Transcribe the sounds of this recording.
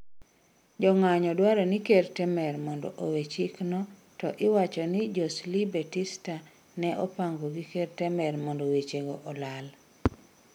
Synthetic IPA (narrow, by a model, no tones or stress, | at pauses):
d͡ʒɔŋaɲɔdwaɾɔnikertɛmɛɾmɔndɔ̰ʔowet͡ʃiknɔ | tɔ̰ʔɪwat͡ʃɔnɪd͡ʒɔslibetista | nɛʔɔpaŋɡoɡikeɾtɛmɛrmɔndowet͡ʃeɡoʔɔlal